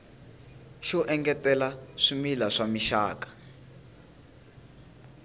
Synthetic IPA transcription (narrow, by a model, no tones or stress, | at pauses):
ʃɔʔɛŋɡɛtɛlaʂimilaʂamiʃa̰ːkḁ